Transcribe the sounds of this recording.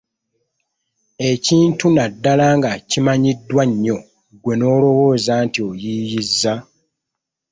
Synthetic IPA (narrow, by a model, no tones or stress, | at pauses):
e̞ciːntunadːalaŋɡacimaɲidːwaɲːo̞ | ɡwe̞no̞ːlo̞wo̞ːzaːntio̞jijizːa